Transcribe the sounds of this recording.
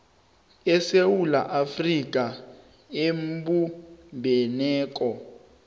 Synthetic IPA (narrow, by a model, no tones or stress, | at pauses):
ɛsewula̰ʔafrik̬ʼa | embumbʱɛnɛːk̬ʼɔ